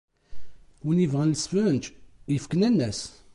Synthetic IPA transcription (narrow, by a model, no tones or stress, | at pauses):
wənivʁænləsfænt̪jəfkənænːæs